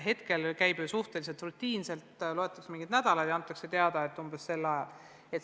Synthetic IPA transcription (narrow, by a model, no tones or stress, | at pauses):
ɦe̞t̪ke̞lkæjb̥suht̪e̞lis̬e̞lt̪rut̪ʲːiːnse̞lt̪lo̞e̞t̪ːˑɑksemiŋɡid̪næd̪ɑlɑd̪jɑɑnt̪ːˑɑkset̪e̞ɑd̪̥ɑet̪ːˑumbesse̞lːɑjɑl | et̪